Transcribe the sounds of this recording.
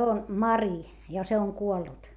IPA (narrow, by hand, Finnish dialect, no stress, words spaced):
on mɑri jɑ se oŋ kuolːut